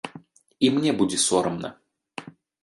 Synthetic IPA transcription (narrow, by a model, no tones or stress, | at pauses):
imnʲebudʲɪsoɾəmnə̰